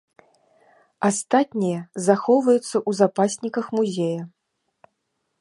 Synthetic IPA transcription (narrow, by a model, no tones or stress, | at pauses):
ast̪at̪ʲnʲijɐzaxɔwvɐjut̪sːɐʔuzapasʲnʲikɐxmuzʲejɐ